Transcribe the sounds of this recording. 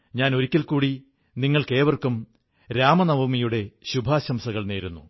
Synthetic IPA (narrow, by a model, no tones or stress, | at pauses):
ɲaːno̞ɾikʲːɐlkuːɽi | niŋːɐɭke̞ːʋɐrkum | ɾaːmɐnɐʋɐmijuɽe̞ɕubʱaːɕɐmsɐɣɐɭne̞ːɾunːṵ